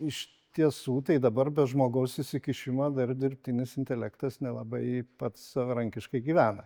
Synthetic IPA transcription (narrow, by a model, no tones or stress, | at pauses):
ɪʃʲ | t̪ʲiɛsuːt̪ɐɪd̪ɐbɐrbʲɛʒmoːɡɐʊsɪʃsʲɪkʲɪʃʲɪmɐːd̪ɐrd̪ʲɪrʲpʲt̪ʲɪnʲɪsɪnʲt̪ʲɛlʲækt̪ɐsnʲɛlˠɐbɐɪpɐt̪ssɐʋɐɾɐŋʲkʲɪʃkɐɪɡʲiːʋʲæːnɐ